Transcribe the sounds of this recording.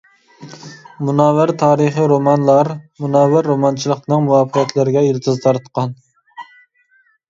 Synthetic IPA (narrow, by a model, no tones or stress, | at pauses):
munɑːwæɾt̪ʰɑːɾəχəɾomɑnlˠɑɾmunɑːwæɾːomɑnt͡ʃʰilˠəq̪nɨŋmuwɑːpʰəɛt̪ʰlɪɾɪɡʲɛiɾt̪ʰɨzt̪ʰɑɾt̪qʰɑn